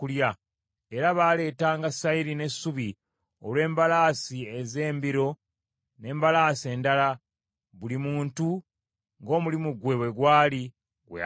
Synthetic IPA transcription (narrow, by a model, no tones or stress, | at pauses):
ulja | e̞ɾaβaːle̞ːtaːŋɡasaiɾine̞suβi | o̰lwe̞ːmbalaːsieze̞ːmbiɾo̞ | ne̞ːmbalaːse̞ːndala | βulimuːntu | ŋɡo̞ːmulimuɡwe̞βwe̞ɡwaːli | ɡwḛ